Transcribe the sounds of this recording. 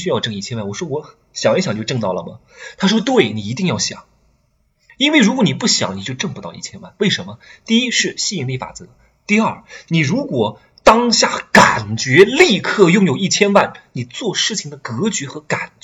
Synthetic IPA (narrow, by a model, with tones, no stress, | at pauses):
ɕy˥jɑ˥˧ʊʈ͡ʂɤ˥˧ŋi˥˩t͡ɕʰjɛ˥nwa˥˩nwɔ˨˩ʂwɔ˥wɔ˧˥ | ɕjɑ˨˩ŋɛ˥ɕjɑ˨˩ŋ˩t͡ɕjo˥˧ʈ͡ʂɤ˥˧ŋt̪ɑ˥˩ʊlə̰˩mɐ̰˩ | t̪ʰa˥ʂ̬wɔ˥t̪we˥˩ɪni˨˩i˧˥t̪i˥˧ŋjɑ˥˩ʊɕjɑ̰˨˩˦ŋ | i˥nwe˥˩ɪɻu˧˥kwɔ˧˥ni˨˩pu˥˩ɕjɑ̰˨˧˩ŋni˨˩t͡ɕjo˥˧ʊʈ͡ʂɤ˥˩ŋpu˧˥t̪ɑ˥˧ʊi˥˩t͡ɕʰjɛ˥nwa̰˥˩nwe˥˩ɪʂə˧˥nmə˧t̪i˥˩i˥ʂɻ̩˥˧ɕi˥˩i˧˥˩ŋli˥˩fa̰˨˩t͡sɤ˧˥ | t̪i˥˧ɐ˞˥˩ni˨˩ɻu˧˥kwɔ˨˩ | t̪ɑ˥ŋɕja˥˩ka˨˩nt͡ɕɥɛ˧˥li˥˧kʰɤ˥˧jʊ˥˩ŋjo˨˩ʊi˥˩t͡ɕʰjɛ˥nwa˥˩nni˨˩t͡swɔ˥˧ʂɻ̩˥˩t͡ɕʰi˨˩ŋd̪ə˦kɤ˧˥t͡ɕɥɛ˧˥xɤ˧˥ka˨˩n